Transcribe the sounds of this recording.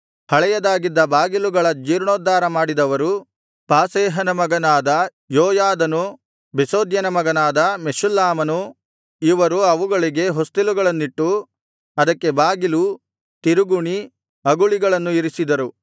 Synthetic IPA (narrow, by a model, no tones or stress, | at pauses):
hɐɭɛjɐd̪aːɡid̪ːɐbaːɡiluɡɐɭɐd͡ʒiːɾɳoːd̪ːaːɾɐmaːɽid̪ɐʋɐɾu | paːseːɦɐnɐmɐɡɐnaːd̪ɐ | joːjaːd̪ɐnu | besoːd̪jɐnɐmɐɡɐnaːd̪ɐmeʃulːaːmɐnu | iʋɐɾuɐʋuɡɐɭiɡe̞ɦo̞st̪iluɡɐɭɐnːiʈːu | ɐd̪ɐkːe̞baːɡilu | t̪iɾuɡuɳi | ɐɡuɭiɡɐɭɐnːuiɾisid̪ɐɾu